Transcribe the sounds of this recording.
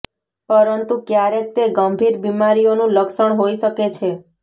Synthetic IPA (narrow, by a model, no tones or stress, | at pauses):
pəɾənt̪ukjaɾek̚t̪eɡəmbʱiɾbimaɾijonũləkʃəɳɦoiʃəket͡ʃʰe